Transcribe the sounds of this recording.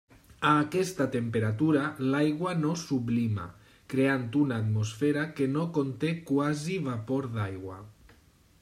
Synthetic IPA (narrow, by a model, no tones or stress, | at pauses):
aːkɛst̪at̪empeɾat̪uɾalajɣwanosuβlima̰ | kɾeant̪unaːt̪mosfeɾakenokont̪ekwaziβapoɾðajɣwa̰